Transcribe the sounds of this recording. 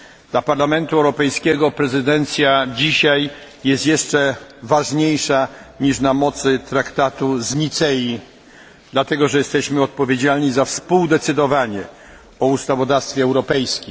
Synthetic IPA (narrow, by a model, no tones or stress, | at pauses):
d̪̥lapaɾlamɛnt̪uɛwɾɔpɛjskʲɛɡɔpɾɛzɘd̪ɛnt̪sʲjad͡ʑiɕaj | jɛst̪jɛʂt͡ʂɛvaʐɲejʂaɲiʂnamɔt̪sɘt̪ɾakt̪at̪uzɲit̪sɛji | d̪̥lat̪ɛɡɔʐɛjɛst̪ɛɕmɘɔt̪̚pɔvʲjed͡ʑalɲizafspuwd̪ɛt̪sɘd̪ɔvaɲɛ | ɔust̪avɔd̪afst̪fʲjɛɛwɾɔpɛjskʲim